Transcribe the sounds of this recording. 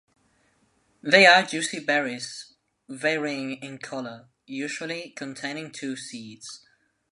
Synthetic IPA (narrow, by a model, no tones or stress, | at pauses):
ðeɪəd͡ʒʉːˑsibɛɹɪs | vɛːɹiɪ̃ŋɪ̃nkʰʌlə | jʉːʒəlikʰə̃ntʰẽɪ̃nɪ̃ŋtʰʉːsiːdz̥